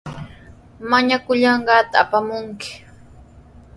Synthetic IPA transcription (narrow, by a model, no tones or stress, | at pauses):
maɲakʊʎɑɴɢɑːt̪aːpamʊŋkɪ̥